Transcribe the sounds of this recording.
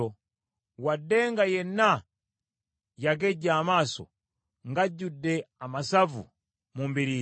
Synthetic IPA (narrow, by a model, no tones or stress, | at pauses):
ɔ | wadɛŋɡajɛna | jaɡɛɟamasɔ̰ | ŋɡaɟudɛamasavṵ | mumbili